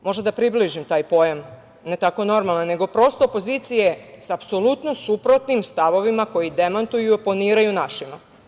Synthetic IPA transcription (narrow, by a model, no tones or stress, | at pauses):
mo̞ʒd̪ad̪apɾibliʒimt̪aːjpo̞jam | ne̞t̪ako̞no̞ɾmalˠnanːe̞ɡo̞pɾo̞st̪opo̞ziːt̪sije̞saːpso̞lˠut̪nosupɾo̞t̪nimst̪aʋo̞ʋimako̞jid̪e̞mant̪ujuponiːɾajunaʃima